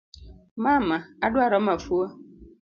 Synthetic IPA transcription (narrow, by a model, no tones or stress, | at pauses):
mãːmãadʊaɾɔmãfuɔ